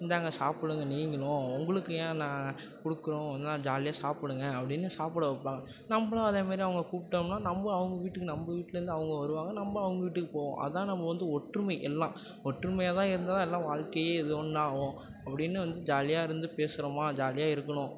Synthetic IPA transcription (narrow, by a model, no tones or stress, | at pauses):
ɪnd̪aːŋɡɐsaːpɪɽɯŋɡɐniːŋɡɐɭʊ̃ʊŋɡɐɭɯkːɯjẽːnãː | kɔɽɯkːɯɾõnaːd͡ʒaːlɪjaːsaːpɪɽɯŋɡɐːpːɐɽɪnːɯsaːpɪɽɐʋpːaːŋɡɐ | nɐmːɐɭõɐðeːmaːd̪ɾiɐʋɐŋɡɐkuːpɪʈːɐmnːaːnɐmbɐɐʋɐŋɡɐʋiːʈːɯkːɯnɐmbɐʋiːʈːɪlɐɾɯnd̪ɯɐʋɐŋɡɐʋɐɾɯʋaːŋɡɐnɐmbɐɐʋɐŋɡɐʋiːʈːɯkːɯpoːʋõ̰ʔɐ̰ðɯt̪ãːnɐmːɐʋɐnd̪ɯɔʈːrɾɯmɐɪʔɛlːãː | ɔʈːrɯmɐjaːðãːɪɾɯnd̪ɐt̪ãːɛlːãːʋaːɻkɐjeːɪðɯɔnːaːʋõ | ɐpːɐɽɪnːɯʋɐnd̪ɯd͡ʒaːlɪjaːɪɾɯnd̪ɯpeːsɯɾɐmaːd͡ʒaːlɪjaːɪɾɯkːɐɳʊ̃